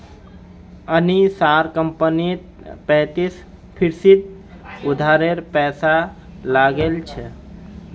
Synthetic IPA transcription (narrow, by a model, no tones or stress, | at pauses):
ənisaɾkəmpənit̪̚ | pɛ̃t̪is | pʰiɾsid̪̚ | ud̪ʱaɾeɾpɛsa | laɡelt͡ʃʰɛ